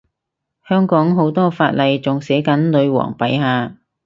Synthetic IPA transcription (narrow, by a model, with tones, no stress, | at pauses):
hœː˥ŋkɔː˨˥ŋɦo˨˥wt̪ɔː˥faː˧t̚lɐ˨jt͡sʊ˨ŋsɛː˨˥kɐ˨˥nlɵ˨˧ɥwɔ̰ː˨˩ŋpɐ˨˥jɦaː˨˧